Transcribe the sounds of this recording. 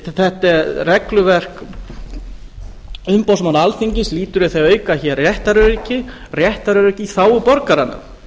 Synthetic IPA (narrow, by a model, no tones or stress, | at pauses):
θɛht̪ɛɾrɛklʏvɛr̥k | ʏmpawsmanaalθiɲcɪsliːt̪ʏɾɪθejœːɥkaçɛrrjɛht̪aɾʏɾicɪ | rjɛht̪aɾʏɾicɪθaːwʏpɔɾkaɾanʏ̰m